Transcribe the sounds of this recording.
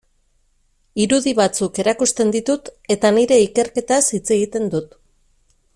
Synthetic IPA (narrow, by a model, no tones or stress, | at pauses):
iɾuðiβat͡suke̞ɾakust̪e̞nd̪it̪ut̪e̞t̪aniɾe̞ike̞ɾke̞t̪asit͡se̞ɣit̪e̞nd̪ut̪